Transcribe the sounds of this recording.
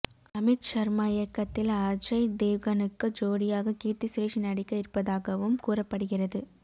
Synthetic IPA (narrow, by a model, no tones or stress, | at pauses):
ɐmɪt̪t͡ʃɐɾmaɪjɐkːɐt̪ːɪlaːɾd͡ʒɐɪd̪eːʋɣɐnɯkːɯd͡ʒoːɽɪjaːɣɐkiːɾt̪isʊɾeʂɪnɐɽɪkːɐɪɾpːɐðaːɣɐʋɯmkuːrɐpːɐɽɯɣɪrɐðɯ